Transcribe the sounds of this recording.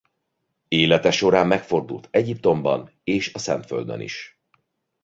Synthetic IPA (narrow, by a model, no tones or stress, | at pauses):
eːlɛt̪ɛʃo̞ɾaːmːɛkfo̞rd̪ṵlt̪ʰɛɟip̚t̪o̞mbɒ̰n | eːʃɒsɛnt̪fø̰ld̪ø̰nḭʃ